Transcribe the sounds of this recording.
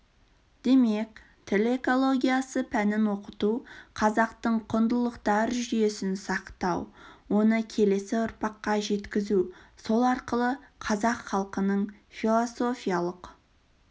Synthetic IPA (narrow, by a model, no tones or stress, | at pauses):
d̪̥e̞me̞kʲ | t̪ʰɪle̞ko̞lˠo̞ɡʲijasəpʰænɪmwo̞qət̪uqʰɑzɑqt̪əɴqʰʊnd̪əlˠəqt̪ɑɾʒʏje̞sɪnsɑqt̪ɑwwo̞nəkʲʰe̞le̞sɪʊɾpɑqːɑʒe̞t̪kʲɪzuso̞lˠɑɾqəlˠəqʰɑzɑqχɑlˠqənəɴfilˠoso̞fʲijalˠəq